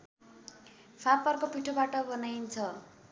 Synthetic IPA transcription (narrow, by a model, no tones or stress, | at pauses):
pʰapʌrkopiʈʰobaʈʌbʌnajnt͡sʰʌ